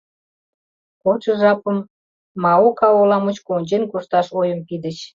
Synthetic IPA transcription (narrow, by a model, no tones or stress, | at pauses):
kot͡ɕə̆ʒɑpəmː | ɑokɑolɑmət͡ɕkonʲt͡ɕenkoʃt̪ɑʃojəmpid̪ət͡ɕ